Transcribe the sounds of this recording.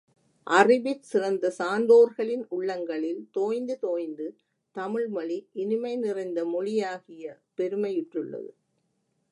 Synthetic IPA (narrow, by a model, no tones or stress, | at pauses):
ʔɐrɪbɪtsɪrɐnd̪ɐsaːnd̪oːɾɣɐɭɪnʊɭːɐŋɡɐɭɪlt̪oːjnd̪ɯt̪oːjnd̪ɯ | t̪ɐmɪɭmɐɭiʔɪnɪmɐɪnɪrɐɪnd̪ɐmɔɻɪjaːɣɪjɐpɛɾɯmɐɪjɪʈrɯɭːɐ̰ðɯ̰